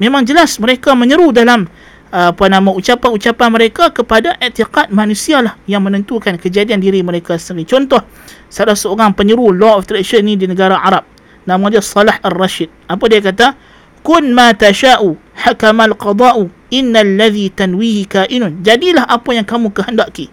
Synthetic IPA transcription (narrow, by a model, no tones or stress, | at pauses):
memãŋd͡ʒəlasməɾekamə̃ɲəɾudalamː | panãmãut͡ʃapanut͡ʃapanməɾekakəpadaʔiʔt̪iqat̪̚manũsialahjaŋmə̃nə̃nt̪ukankəd͡ʒadiandiɾiməɾekasəɾit͡ʃɔnt̪ɔh | salahsəoɾaŋpəɲəɾulɔɔft̪ɾɛʃənːĩdinəɡaɾaʔaɾap̚ | nãmad͡ʒasːɑlaharːaʃid̪̚ʔapadiak̬at̪a | kʊnmãt̪aʃaːʔu | ħakamalqɑd̪ˤɑːʔu | ʔɪnːalːaðit̪anwihikaʔɪnʊnd͡ʒadilahʔapajaŋkamũkəɦəndaʔki